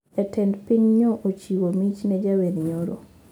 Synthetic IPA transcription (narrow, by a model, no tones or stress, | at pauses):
ɛtʰɛndpiɲɲoʔot͡ʃiwomit͡ʃnɛd͡ʒaweɾɲoɾo̰